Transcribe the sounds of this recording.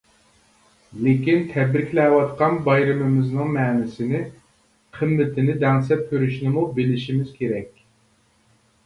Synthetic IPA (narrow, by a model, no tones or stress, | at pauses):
lɪkʲint̪ʰɛd̪ɾɪkʲlɛwɑt̪qʰɑnbɑjɾɨmɪmɪznɨŋmɛːnɪsɪnɪ | qʰɨmːɪt̪ʰɪnɪd̪ɛŋsɛp̚kʲʰøɾyʃnɪmubɪlɪʃimɪz̥kʲʰeɾɛkʲ